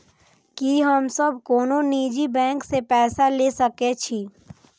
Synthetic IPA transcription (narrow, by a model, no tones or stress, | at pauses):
kiɦəmsəb̚koːnoniːd͡ʒibɛ̃ːŋksepɛːsaleːsɐket͡ʃʰiː